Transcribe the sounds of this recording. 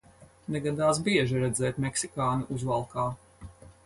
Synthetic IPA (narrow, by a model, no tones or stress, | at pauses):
nɛɡad̪aːs̬biɛʒiɾɛd̪zɛːt̪mɛksikaːnuʔuzvalˠkaː